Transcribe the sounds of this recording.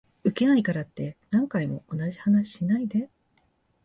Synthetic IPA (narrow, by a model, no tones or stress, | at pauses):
ɯ̟ke̞naikaɾat̪ːe̞nãŋkaimo̞̰onaʑi̥hanaɕi̥ɕinaid̪e̞